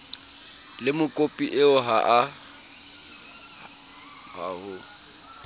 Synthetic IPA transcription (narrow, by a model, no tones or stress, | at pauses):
lɪmʊkʼopʼiʔɪʊɦaʔa | ha̰hʊ